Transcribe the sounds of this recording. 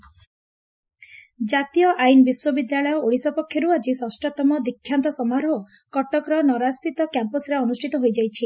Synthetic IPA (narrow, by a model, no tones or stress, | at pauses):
d͡ʒat̪ijɔʔajnɔbiswɔbid̪jaɭɔjɔoɽisɔpɔkʰjɔɾuad͡ʒisɔsʈɔt̪ɔmɔd̪ikʰːjant̪ɔsɔmaɾɦo | kɔʈɔkɾɔnɔɾast̪ʰit̪ɔkjampɔsɾeɔnusʈʰit̪ɔɦojd͡ʒajt͡ʃʰi